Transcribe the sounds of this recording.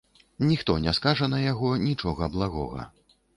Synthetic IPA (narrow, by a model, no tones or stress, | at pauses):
nʲixt̪ɔnʲɛskaʐɐnɐjaɣɔnʲit͡ʂɔɣɐblˠaɣɔ̰ɣɐ̰